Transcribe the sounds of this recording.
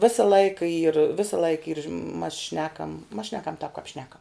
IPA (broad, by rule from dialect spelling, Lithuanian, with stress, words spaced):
ˈʋʲeːsɐ ˈlˠɐɪkɐ iːr ˈʋʲeːsɐ ˈlˠɐɪkɐ iːr mɐs ˈʃʲnʲæːkɐm mɐs ˈʃʲnʲæːkɐm tɑːp kɐp ˈʃʲnʲæːkɐm